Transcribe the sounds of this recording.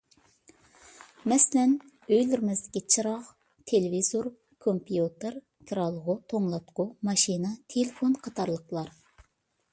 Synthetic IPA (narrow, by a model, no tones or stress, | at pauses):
mɛsɪlɛn | øjlɪɾmɪzd̪ɪkʲit͡ʃʰɨɾɑʁ | t̪ʰelevizoɾ | kʰompʰijut̪ɨɾ | kʲʰɾɑlˠːəʁʊt̪ʰoŋlˠɑt̪qʊmɑʃinɨt̪ʰelefonqʰɑt̪ʰɑɾlˠəqlˠɑɾ